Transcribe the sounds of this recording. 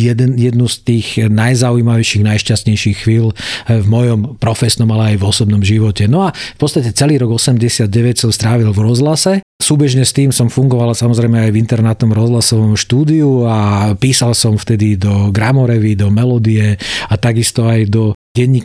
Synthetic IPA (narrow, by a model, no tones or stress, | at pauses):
jɛd̪ɛnjɛd̪nust̪iːɣnajzauiːmaʋɛʃiɣnajʃcastɲɛjʃixxʋiːlvmɔjɔmpɾɔfɛsnɔmalɛajvɔsɔbnɔmʒiʋɔcɛnɔafpɔtt͡st̪acɛt͡sɛliːɾɔɡɔsɛmɟɛsɪad̪̚ɟɛʋɛcsɔmst̪ɾaːʋilvɾɔzlasɛ | suːbɛʒɲɛst̪iːmsɔmfuŋɡɔʋalasamɔzɾɛjmɛajvint̪ɛɾnat̪nɔmɾɔzlasɔʋɔmʃt̪uːd̪iuapiːsalsɔmft̪ɛd̪id̪ɔɡɾamɔɾɛʋid̪ɔmɛlɔd̪iɛat̪aɡist̪ɔajd̪ɔɟɛɲːik